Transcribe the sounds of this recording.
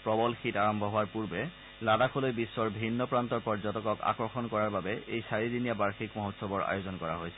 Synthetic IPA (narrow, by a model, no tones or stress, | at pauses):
pɹɔbɔlxitaɹɔmbʱɔɦʊwaɹpuɹbɛ | ladakʰolojbisːɔɹbʱinːɔpɹantɔɹpɔɹzɔtɔkɔka̰kɹɔxɔnkɔɹaɹbabɛejsaɹidinijabaɹxikmɔɦɔtsɔbɔɹa̰jozɔnkɔɹa̰ɦojsɛ